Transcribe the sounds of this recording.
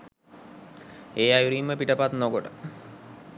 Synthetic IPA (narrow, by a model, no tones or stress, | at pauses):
eːajuɾimːəpiʈəpat̪nokoʈə